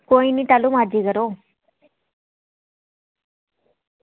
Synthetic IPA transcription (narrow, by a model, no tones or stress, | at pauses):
koiniʈalumad͡ʑiːkəɾo